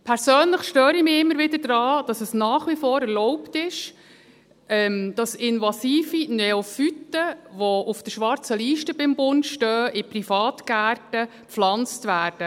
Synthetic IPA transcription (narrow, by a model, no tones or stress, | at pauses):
pʰɛɾsøːnləχʃtøːɾimiːɪmːəɾʋɪdədɾɑːd̥ɑsəsnɑːχʋifɔːɾɛɾlɔʊptɪʃ | ɛmd̥ɑsɪnvɑsiːfinɛofytːəʋoufd̥əʃʋɑɾt͡səliːʃtəbɪmbʊndʃtœːʔɪprifɑːtɡæːrtə | flɑnt͡stʋæːɾd̥ə